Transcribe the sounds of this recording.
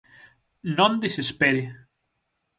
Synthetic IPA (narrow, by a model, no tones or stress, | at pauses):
nõnd̪isespeɾi